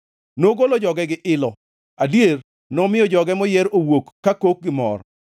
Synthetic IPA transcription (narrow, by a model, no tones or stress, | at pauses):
noɡolod͡ʒɔɡɛɡɪʔɪlɔ | adjer | nɔmɪjɔd͡ʒɔɡɛmɔjɛɾowokːakok̚ɡɪmɔ̰ɾ